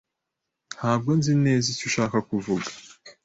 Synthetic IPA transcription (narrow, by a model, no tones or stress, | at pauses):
n̥haːb̚ɡo̞nzine̞ːzicuʃaːkakuvuɡḁ